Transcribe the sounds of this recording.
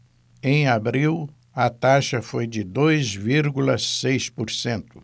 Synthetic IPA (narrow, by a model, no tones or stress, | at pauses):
ẽj̃abɾiw | ɐt̪aʃɐfojd͡ʒɪd̪ojzviɾɡulɐsejspoɾsẽnt̪ʊ̥